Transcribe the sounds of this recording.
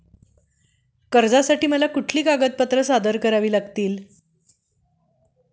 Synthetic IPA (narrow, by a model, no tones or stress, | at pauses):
kəɾd͡zasaʈiːməlakuʈʰliːkaɡət̪̚pət̪ɾəsad̪əɾkəɾaʋiːlaɡt̪iːl